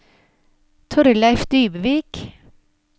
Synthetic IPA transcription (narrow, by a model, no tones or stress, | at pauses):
t̪ʰɔɾəlæɪfd̪yːbəʋiːk